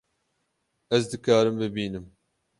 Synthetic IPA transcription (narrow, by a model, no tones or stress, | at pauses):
ɛzd̪ɨkɑːɾɨmbɨbiːnɨm